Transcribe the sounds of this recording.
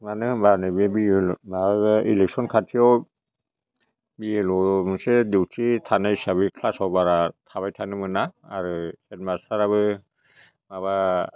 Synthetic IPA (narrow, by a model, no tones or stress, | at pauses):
manɯɯbaɾnɯbebiulmababɯilɛk̚sɔnkʰatʰiɔw | bielɔmɯsediwtʰitʰanajsaβikʰlasawbaɾatʰaβajtʰanɯmɯnaːɾɯhetmasaɾaβɯ | maβa